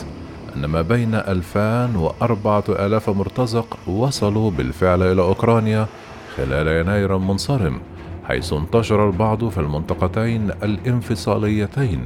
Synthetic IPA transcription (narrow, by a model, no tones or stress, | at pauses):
ʔɪnːamaːbajnaʔalfaːnwɪʔɑɾˤbɑʕaʔa̰ːlaːfmʊɾt̪ɑzɪqwɑsˤɑlubɪ̰lfɪʕlʔɪlaːʔʊkɾˤɑːnja | xɪlaːljanaːjɪɾalmʊnsˤɑɾɪm | ħa̰jsʊnt̪ɑʃɑɾˤɑlbɑʕd̪ˤfilmɪnt̪ˤɑqɑt̪ajnʔalʔɪnfɨsˤɑ̰ːlɪjːat̪ajn